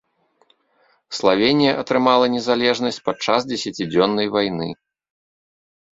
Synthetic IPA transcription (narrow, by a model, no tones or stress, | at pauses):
slˠavʲenʲijɐʔɐt̪ɾɨmalˠɐnʲɛzalʲɛʐnɐsʲt͡sʲpat͡ʂazd͡zʲɛsʲɐt͡sʲid͡zʲɔnːɐjvajnɨ